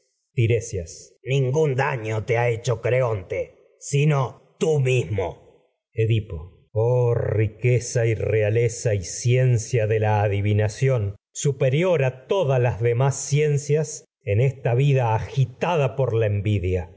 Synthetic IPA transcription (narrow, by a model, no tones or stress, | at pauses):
t̪iɾesjasnĩŋɡund̪aɲot̪eaet͡ʃokɾeont̪e | sinot̪umizmo̰ | eðipo | orikesairealesaisje̞nsjaðelaːðiβinasjo̞nsupeɾjo̞ɾat̪o̞ðalazðemasːje̞nsjas | enest̪aβiðaːxit̪aðapo̞ɾlaembiðja